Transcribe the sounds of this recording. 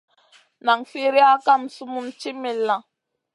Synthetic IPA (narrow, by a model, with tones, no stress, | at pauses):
na˨ŋfi˦ɾi˦a˦ka˦m̩˨su˦mu˦mt͡ʃi˦mi˨lːã˨